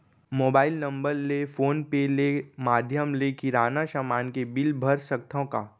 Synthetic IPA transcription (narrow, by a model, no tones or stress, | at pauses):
moːbaːɪlnə̃mbəɾlefoːnpelemaːd̪ʱjəmlekiɾaːnaʃamaːnkebɪlbʱəɾsək̚t̪ʰõkaː